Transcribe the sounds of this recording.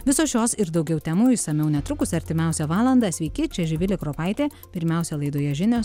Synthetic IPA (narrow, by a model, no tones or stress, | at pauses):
ʋʲɪsoːsʲjoːsɪɾd̪ɒʊɡʲɛʊt̪ʲæmʊːɪsɐmʲɛʊnʲɛt̪ɾʊkʊsʲɐɾʲt̪ʲɪmʲɛˑʊsʲɛʋɑːlˠɐnd̪ɑːsʲʋʲɛɪkʲɪt͡ʃʲɛʒʲɪʋʲɪlʲɪkɾoːpɐɪt̪ʲeː | pʲɪɾʲmʲɛˑʊsʲɛlˠɐɪd̪oːjɛʒʲɪnʲoːs